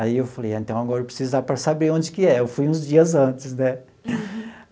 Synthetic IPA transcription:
aiewfalejẽnt̪ɐ̃w̃aɡɔɾɐpɾɪ̥sizʊd̪apɾɐsabɾeɾõnd̪ɪkɪɛewfujũzd͡ʒiɐzɐ̃nt̪ɪznɛ

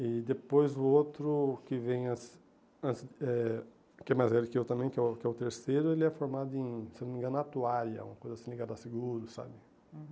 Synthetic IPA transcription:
ɪd̪epojzʊot̪ɾʊkɪvẽj̃as | ɐ̃nt͡ʃ̪ɪzɛ | kɪɛmajzɛlɪkɪewt̪ɐ̃mẽj̃kɪɛkɪɛʊt̪eɾsejɾʊelɪɛfoɾmad̪ʊẽj̃senomĩɡɐ̃nat̪uaɾjɐ̰ũmɐkojzasĩliɡad̪ʊasɪɡuɾʊsa̰bɪ

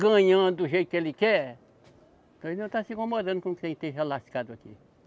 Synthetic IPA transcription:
ɡɐ̃ɲɐ̃d̪uʒejt̪ukelikɛ | põznɐ̃w̃t̪asĩkõmod̪ɐ̃nd̪ukũkẽj̃t̪ẽɦelasi̥kad̪uakḭ

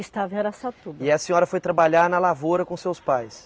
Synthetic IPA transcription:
ist̪avẽɐɾasat̪ubɪɐsĩɲɔɾɐfojt̪ɾabaʎaɾnɐlavoɾɐkõʊsewspajs

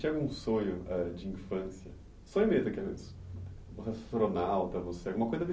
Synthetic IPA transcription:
t͡ʃɛɡũsoɲʊʔɛd͡ʒɪĩfɐ̃sjɐ | soẽmet̪ɐkiɐvmḛ̃s | vosessɾonawt̪ɐvoseaɡũmɐkojzɐvi

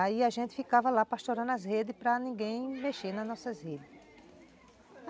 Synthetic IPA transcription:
aiaʒẽnt̪ɪ̥fikavɐlapast̪oɾɐ̃nɐzhed̪ɪspɾɐnĩɡẽj̃meʃeɾnɐznɔsɐzhed̪ɪ

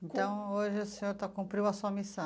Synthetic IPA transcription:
ẽnt̪ɐ̃w̃oʒɪʊsẽɲoɾt̪akũmpɾiwɐsuɐmisɐ̃

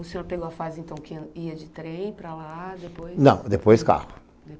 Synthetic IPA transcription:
ʊseoɾpeɡoɐfazɪẽnt̪ɐ̃w̃kɪiɐd͡ʒɪt̪ɾẽj̃pɾalad̪epojnɐ̰̃w̃d̪epojska̰hʊ | d̪e

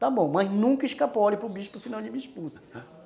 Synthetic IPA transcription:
t̪abõw̃mɐznũkɐiʃkapɔɾɪpɾʊbiʃpʊsɪnɐ̃w̃ʎɪmiiʃpusɐ̥

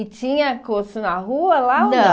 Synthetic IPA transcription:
ɪt͡ʃĩɲɐkosʊnɐɦuɐlaõd̪ɐ

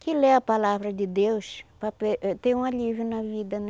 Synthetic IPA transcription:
kɪleɐpalavɾɐd̪ɪd̪ewʃpɾɐpet̪eũalivɾɪnɐvid̪ɐn

